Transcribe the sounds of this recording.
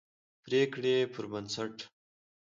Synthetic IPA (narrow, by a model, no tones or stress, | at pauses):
pɾekɽepʰəɾbansaʈ